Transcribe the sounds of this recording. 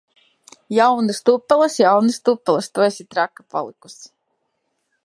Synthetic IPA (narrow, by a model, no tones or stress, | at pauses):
jawnɨst̪upːɛlˠəsjawnɨst̪upːɛlˠɐst̪ujsʲit̪ɾakːḁpa̰lˠiku̥s